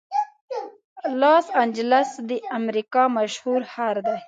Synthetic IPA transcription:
lɑsand͡ʒlasd̪əamɾikɑmaʃhuɾhaɾd̪a

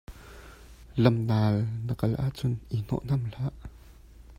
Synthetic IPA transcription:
lɐmnaːlnəkɐlʔaʔt͡sʊnʔin̥ɔ̰ʔn̥ɐml̥aʔ

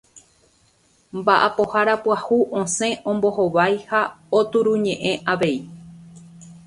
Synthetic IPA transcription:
mbaʔa̰po̞haɾapwahuʔõsẽ̞ʔõ̞mbo̞hoʋajhaot̪uɾuɲẽ̞ʔẽ̞ʔaʋe̞i

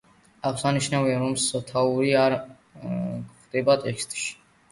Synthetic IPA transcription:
aʁsaniʃnaviaɾɔmsat̪ʰauɾiaɾ | χd̪ɛbat̪ʼɛkst̪ʼʃi̥

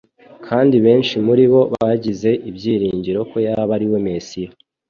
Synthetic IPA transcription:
kʰaːndiβe̞ːnʃimuɾiβo̞βaɟize̞ʔibɟjiːɾiːɲɟiɾo̞ko̞jaaβaɾiwe̞me̞sijo

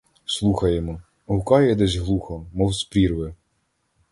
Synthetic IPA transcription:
slˠuxɐjemɔ | ɦʊkɑjɛd̪ɛzʲɦlˠuxɔmɔlˠspɾʲirʋɪ

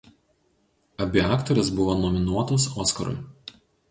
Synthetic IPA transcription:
ɐbʲɪɑːkt̪ɔɾʲɪsbʊʋoːnɔmʲɪnuɔt̪oːsɔːskɐɾʊ̰j

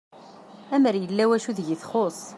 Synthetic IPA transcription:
æməɾjəlːæwæʃuðʝiθχosˤ

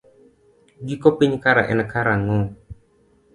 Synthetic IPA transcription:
ɡikɔpiɲkaɾaʔɛ̰nɛkaɾaŋɔ

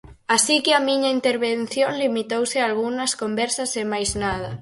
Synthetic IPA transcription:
asikɪamiɲɐint̪eɾβen̟θjoŋlimit̪owsɪalɣunɐskombɛɾsɐsemajznað̞ɐ

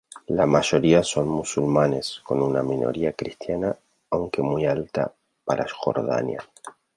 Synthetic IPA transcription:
lamaʃo̞ɾiaso̞nmusulmane̞sko̞nunamino̞̰ɾiakɾist̪janaː | wŋke̞mujalt̪a̰ | paɾʔasxo̞̰ɾða̰nja̰

